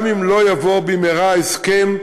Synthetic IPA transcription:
mimlo̞javobimeʁaeskem

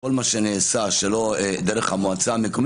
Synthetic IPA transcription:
olmaʃeneːsaʃelo̞d̪eɾeχhamoat͡saːmekom

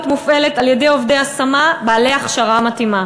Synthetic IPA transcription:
t̪mufe̞letaljede̞jo̞vdejasamabaːle̞jaχʃaʁamat̪ima

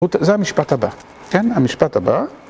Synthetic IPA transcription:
ut̪zeamiʃpathaba | kenamiʃpathaba

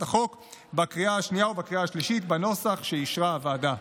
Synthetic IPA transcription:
taχo̞kbakʁiaaʃnijaobakʁiaːʃliʃit̪bano̞saχʃeiʃʁaavːda

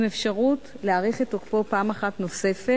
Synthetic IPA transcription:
mefʃaʁut | leaʁiχitokpo̞paːmaχatno̞se̞fe

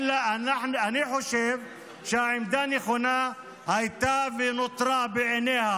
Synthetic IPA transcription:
lanaħnaniħoʃev | ʃeaʕimd̪aneχona | hajt̪avenot̪ɾabeʕeneha

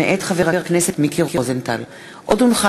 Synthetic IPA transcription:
eʔet̪χaveʁaʁakneset̪mikiʁkizent̪al | ʔod̪unχa

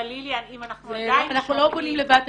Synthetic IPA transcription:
liljanimanaχzeanaχnulobonimlevat̪

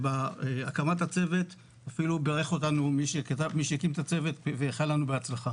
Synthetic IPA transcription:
baeakamatat͡se̞ve̞t̪ | afilubeʁeχo̞tanumiʃekat̪avmiʃekimt̪at͡se̞veteveːχalanubeat͡slaχa

